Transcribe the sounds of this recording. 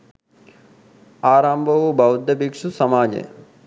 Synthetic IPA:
aːɾaːmbʱɐʋubɐwd̪ɐbikʂusɐmaːd͡ʑḛ

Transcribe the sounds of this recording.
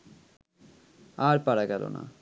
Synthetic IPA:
aɾpaɾaɡɛlo̰na̰

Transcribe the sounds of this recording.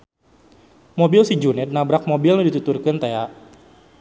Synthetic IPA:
mobilsid͡ʒunɛt̪̚nabɾak̚mobilmədit̪ut̪urkɨnt̪eaʔ

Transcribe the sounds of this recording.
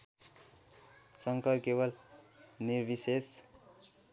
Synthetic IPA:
sʌŋkʌrkeβʌlnirbises

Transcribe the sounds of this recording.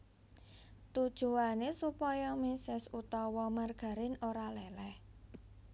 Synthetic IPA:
t̪ud̥ʒ̥ṳanesupɔjɔmisɛsut̪ɔwɔmarɡ̥a̤ɾɪnoɾalɛlɛh

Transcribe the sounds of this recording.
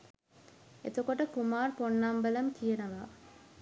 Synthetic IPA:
et̪okoʈəkumaːrponːambələmkijənəʋa

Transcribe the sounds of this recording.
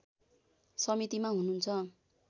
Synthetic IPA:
sʌmit̪imaɦunuːnt͡sʰʌ

